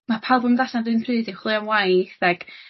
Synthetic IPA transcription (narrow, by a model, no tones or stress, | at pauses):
mapʰalˠbɔmðaɬadɨnpʰrɨːdɪχlˠɨɔnwajθaɡ̥